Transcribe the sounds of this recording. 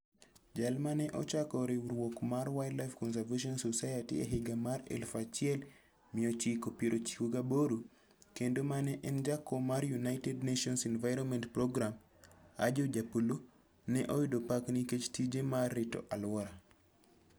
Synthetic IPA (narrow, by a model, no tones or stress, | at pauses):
d͡ʒalmanɛʔɔ̰t͡ʃakɔɾiwuɾwokmaɾwajdlajfkɔnsaɾveʃiɔnsosajatḭḛɦeɡamaɾɛ̰lfat͡ʃiɛl | miot͡ʃikopiɾʔot͡ʃi̥kuɡaboɾu | kendomanɛʔɛnd͡ʒakːomaɾjunajtedneʃiɔnsinvajɾɔnmɛntpɾoɡɾam | a̰d͡ʒod͡ʒapulo | nɛʔojudopakniket͡ʃtid͡ʒemarːito̰ʔalwɾa